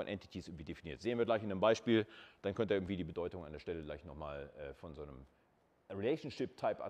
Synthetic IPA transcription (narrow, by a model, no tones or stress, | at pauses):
ɔnʔɛ̰nti̥tʰisɪɐɡŋ̩tviːd̥efiniːɐtz̥eːənviɐɡlaɪçɪnːəmbaɪʃpiːld̥ankʰœntəʔɪɡŋ̩tv̥iːdiːbədɔʏtʊŋandeɐʃtɛləɡlaɪçnɔχma̰ːlʔɛːfɔnzoːnəm | ʁilɛɪʃn̩ʃɪp̚tʰaɪpʔa̰